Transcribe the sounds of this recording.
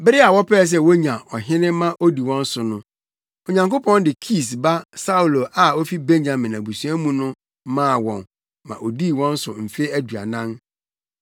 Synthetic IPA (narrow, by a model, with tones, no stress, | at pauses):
bɪ˦ɾɪ˦a˨wɔ˦pʰɛː˦˨s̬ɛ˦wo˦ɲã˨ʔɔ˨ɦɪ̃˦nɪ̃˦mã˦ʔo˦di˨wɔ̃˦n̩˦sʊ˨nʊ̃˦ | o˨ɲã˨ŋko˦pʰɔ̃˦ndɪ˨kʰi˦˨sba˦sa˦u˨lo˨ʔa˨o˦fi˦be˦ɲɲã˨mɪ̃˨nã˨bu˨su˨˦a˦mũ˦nʊ̃˦ | mãː˦˨wɔ̰̃˨n | mã̰˨ʔo˨di˦˨wɔ̃˦n̩˦sʊ̰˨m̩˨fe˦æ˦du˨a̰˨nã˦n